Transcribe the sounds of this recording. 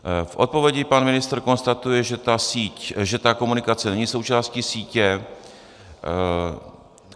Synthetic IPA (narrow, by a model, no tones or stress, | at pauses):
fʔo̞t̪̚po̞vjɛɟɪpanmɪnɪst̪rko̞nst̪at̪ujɛʒɛt̪asiːcʒɛt̪ako̞munɪkat͡sɛnɛɲiso̞wt͡ʃaːscisiːcɛ